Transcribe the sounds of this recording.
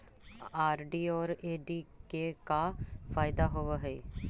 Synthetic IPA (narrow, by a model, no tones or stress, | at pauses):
aːɾɖiːɔːɾeːɖiːkekafʰaːɪd̪aɦoːʋeɦɛː